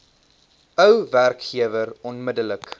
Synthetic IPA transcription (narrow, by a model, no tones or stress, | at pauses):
əwværkχiəvərɔnmədələk